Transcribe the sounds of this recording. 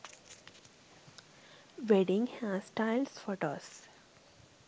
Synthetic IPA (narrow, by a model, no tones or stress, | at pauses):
ʋeɖɪ̃ŋhæssʈaɪlsfoːʈoːs